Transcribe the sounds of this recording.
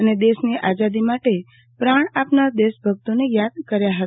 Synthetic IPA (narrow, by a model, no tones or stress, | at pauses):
əned̪eʃniʔad͡ʒad̪imaʈe | pɾaɳ̃apnaɾd̪eʃbʱəɡt̪onejad̪̚kəɾjaɦə